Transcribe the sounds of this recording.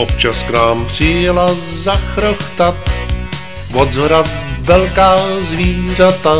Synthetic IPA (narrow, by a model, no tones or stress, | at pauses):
ʔop̚t͡ʃasknaːmpr̝̥ɪjɛlazaxɾoxt̪at̪ | vodzoɾatvɛlkaːzviːr̝at̪a